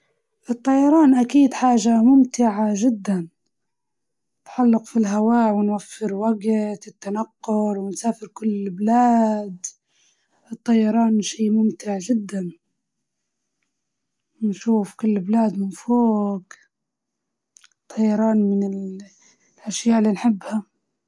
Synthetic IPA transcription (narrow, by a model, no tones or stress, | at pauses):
ʔɨt̪ˤːɑjɑɾˤɑːnʔakiːd̪ħaːʒamʊmt̪ɪʕaʒɪd̪ːan | t̪ħalːɪqfilɦawaːwɪnwafːɪɾwaɡt̪ɪt̪ːanaqːʊɾwɪnsaːfɪɾkʊlːblaːd̪ | ʔɨt̪ˤːɑjɑɾˤɑːnʃiːmʊmt̪ɪʕʒɪd̪ːan | nʃuːfkʊlːblaːd̪mɪnfoːɡ | t̪ˤʰːɑjːɑɾˤɑːnmɪnɪl | ʔaʃjaːʔɪlːiːnħɪbːha